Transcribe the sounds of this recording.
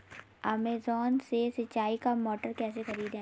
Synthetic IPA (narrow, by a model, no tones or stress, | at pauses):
ɛːmeːzɔːnsesɐtːaːikamɔːʈəɾkɛːsexɐɾiːd̪ɦɛ̃